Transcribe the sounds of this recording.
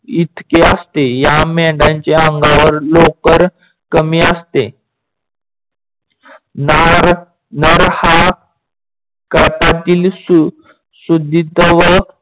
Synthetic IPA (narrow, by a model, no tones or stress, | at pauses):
it̪ʰkeəst̪ejamɛɳɖãɲt͡ɕeəŋɡaʋəɾlokəɾ | kəmiːəst̪e | naɾ | nəɾha | kəɭpat̪iːls | sud̪ʱit̪əʋə